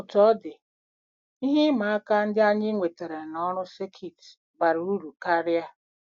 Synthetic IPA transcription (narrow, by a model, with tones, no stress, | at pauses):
ʊ˨tɔ˦dɪ˨ | i˦ɦi˦ma˨a˦ka˦n̩˦dɪ˦a˦ɲɪ˦ŋʷe˨te˨ɾe˨nɔ˦ɾʊ˦se˦kʰi˨t | ba˨ɾu˨u˦ɾu˨ka˦ɾja˦